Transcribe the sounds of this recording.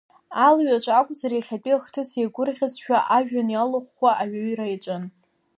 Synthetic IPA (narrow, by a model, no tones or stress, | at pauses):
alɥat͡ʃʷʼakʷʼʊzaɾejɬʲapʲʼiχtʰɨseɡʷʊrʁʲazʃᶣaʔaʒᶣanjalɨχʷːaʔaɥaɥirajt͡ʃʼɨn